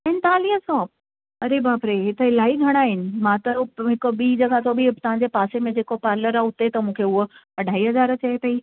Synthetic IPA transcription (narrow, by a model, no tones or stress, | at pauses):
ɛnɪ̆t̪aːliɦəsɔː | ɐɾebaːpɾeɦɪt̪əɦɪlaːiɡʱɐɽ̃aːɦɪnɪ̆mãt̪ɐɦɪkʊ̆ɓiːd͡ʑɐɠat̪ʰobɪt̪ɐʋ̤ãɲd͡ʑepaːsemẽd͡ʑeːkopaːɾləɾaʊt̪et̪ɐmũːkʰeʊɦo | ɐɖʱaːiɦɐzaːɾt͡ɕɐepɐiː